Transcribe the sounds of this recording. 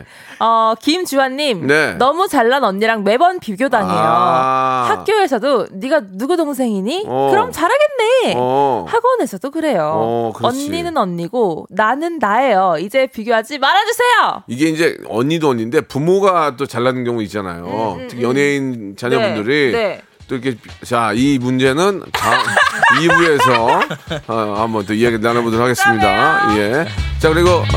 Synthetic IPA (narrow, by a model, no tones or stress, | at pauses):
ʌkimt͡ɕuwanːimne̞nʌmut͡ɕaɭːanʌɲːiɾaŋme̞bʌnpiɡjodaŋejohak͈joɦe̞sʰʌdoniɡanuɡutoŋsʰe̞ŋiɲikɯɾʌmt͡ɕaɾɦaɡe̞nːe̞ | haɡʌnɦe̞sʰʌdokɯɾe̞jokɯʌnːinɯnʌɲːiɡonanɯnːae̞jʌid͡ʑe̞piɡjoɦad͡ʑimaɾɦad͡ʑusʰe̞joiɡe̞ind͡ʑe̞ʌɲːidoʌɲinde̞pumoɡat͈ot͡ɕaɭːanɯnɡjʌŋuit̚t͡ɕ͈ana̰jotʰɯkʰjʌne̞int͡ɕaɲʌbundɯɾine | t͈oiɾkʰe̞t͡ɕaimund͡ʑe̞nɯntaibue̞sʰʌ | ambʌnt͈oieɡeanabundɯɭhaɡe̞s͈ɯmɲidaje̞t͡ɕakɯɾiɡʌ